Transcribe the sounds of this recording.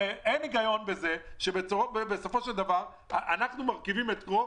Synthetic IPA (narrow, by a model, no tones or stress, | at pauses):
eʔeniɡajo̞nbezeʃebeobebeso̞fo̞ʃeld̪avaʁ | ʔanaχnumaʁkivimet̪ko